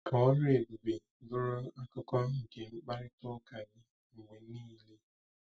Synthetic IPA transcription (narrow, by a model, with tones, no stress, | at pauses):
ka˨ɔ˦ɾʊ˦e˨bi˨be˨˦dʊ˦ɾʊ˦a˦kʊ˦kɔ˦ŋ̩˨ke˨ŋ͡m̩˦k͡pa˦ɾɪ˦tʊ˦ka˨ɲɪ˦ | ŋ̩˨ŋʷe˨˦niː˦le˦